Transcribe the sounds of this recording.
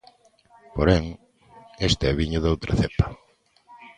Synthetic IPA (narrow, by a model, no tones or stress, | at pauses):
poɾɛŋ | est̪ɛβiɲʊðowt̪ɾɐθepɐ̥